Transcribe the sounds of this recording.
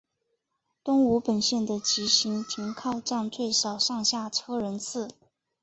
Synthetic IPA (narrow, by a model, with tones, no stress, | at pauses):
t̪ʊ˥ŋu˧˥pə˨˩nɕjɛ˥˩nd̪ə˩t͡ɕi˧˥ɕi˧˥ŋt̪ʰi˧˥ŋkʰɑ˥˧ʊʈ͡ʂɑ˥˧ŋt͡swe˥˩ɪʂɑ˨˩ʊʂɑ˥˧ŋɕja˥˩ʈ͡ʂʰɤ˥ɻə˧˥nt͡sʰɹ̩˥˩